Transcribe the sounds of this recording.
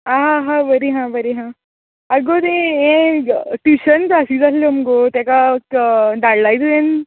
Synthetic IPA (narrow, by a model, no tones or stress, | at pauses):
aɦãɦãbəɾiɦãbəɾiɦã | aɡot̪eẽʈiɕənt͡sasid͡zat̪ləməɡot̪jakakd̪aɽlajtẽn